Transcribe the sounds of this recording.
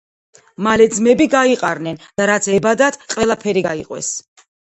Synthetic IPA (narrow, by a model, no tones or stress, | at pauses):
malɛd̪zmɛbiɡaiqʼaɾnɛnd̪̥aɾat̪sʰɛbad̪at̪ʰqʼwɛlˠapʰɛɾiɡaiqʼwɛ̰s